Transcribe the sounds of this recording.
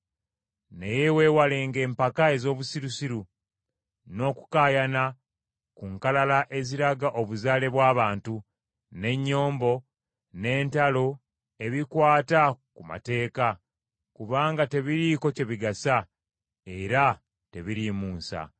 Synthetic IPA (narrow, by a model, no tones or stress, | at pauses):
neje̞we̞ːwaleːŋɡe̞ːmpakae̞zo̞ːβusiɾusiɾu | no̞ːku̥kaːjana | kuŋkalalaʔe̞ziɾaɡaʔo̞βuzaːle̞βwaːβaːntu | ne̞ɲːo̞ːmbo̞ | ne̞ːntalo̞ | e̞βikwaːtakuma̰te̞ːka | kuβaːŋɡate̞βiɾiko̞ce̞βiɡasa | e̞ɾa | te̞βiɾimuːsa̰